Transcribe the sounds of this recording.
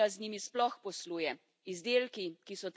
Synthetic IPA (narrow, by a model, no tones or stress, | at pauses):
aznimisplɔxpɔsluːjɛ | izd̪eːlkikisɔt̪